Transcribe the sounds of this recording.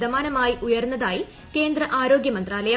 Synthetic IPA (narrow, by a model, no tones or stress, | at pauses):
d̪ɐmaːnɐmaːjiʔujɐrunːɐðaːji | ke̞ːnd̪rɐʔaːɾo̞ːɡjɐmɐnd̪raːlɐja